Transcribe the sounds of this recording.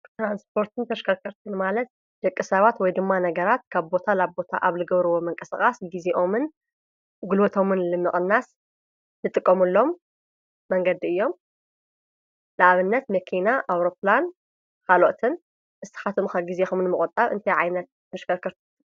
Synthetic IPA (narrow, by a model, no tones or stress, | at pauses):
t̪ɾanspʰo̞ɾt̪ʰɨnt̪ʰɐʃkʰɐkʰɐɾt̪ʰɨnmalɐt̪̚ | d͡ʒ̥ɐkʼːɨsɐβat̪wɔjd̪ɨmːanɐɡɐɾat̪̚kʰaβbo̞t̪ʰalaβbo̞t̪ʰa̰ʔaβzɨɡɐβɾɨwo̞mɐŋkʼɐsɨkʼasɡizeʔo̞mɨn | ɡulwɐt̪ʰo̞mɨnlɨmːɨχʼɨnːas | zɨt̪ʼɨkʼːɐmulːo̞mː | ɐŋɡɐd̪iɨjːo̞m | lɨʔaβɨnːɐt̪mɐkʰinaʔawɾo̞plan | kʰalo̰t̪ʰɨn | ʔɨst̪ʰɨ̥xat̪ʰɨmkʰɐɡizexumɨnmɨkʼʊt̪ʼːaβɨ̰nt̪ʰɐjʕajnɐt̪̚ʰːɐʃkʰɐɾkʰɐɾt̪ʰɨ